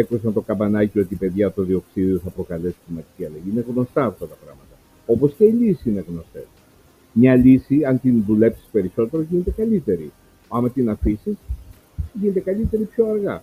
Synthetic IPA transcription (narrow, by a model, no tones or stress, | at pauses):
ekusɐnt̪o̞kɐbɐnɐcio̞t̪iːpe̞ðʝɐt̪oðio̞ksiðioθɐpɾo̞kɐle̞si̥timɐt̪i̥ciɐlɐʝiine̞ɣno̞st̪ɐːft̪ɐt̪ɐpɾɐ̰ɣmɐt̪ɐ | o̞po̞sce̞ilisi̥ineɣno̞st̪e̞̰s | mɲɐlisiɐnt̪inðule̞psi̥spe̞ɾiso̞t̪eɾo̞ʝinet̪e̞kɐlit̪e̞ɾi | ɐmɐt̪inɐfisis | ʝinet̪e̞kɐlit̪e̞ɾipço̞ɐɾɣɐ